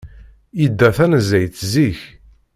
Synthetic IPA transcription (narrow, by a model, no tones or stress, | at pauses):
id̪ːæθænzæjθziç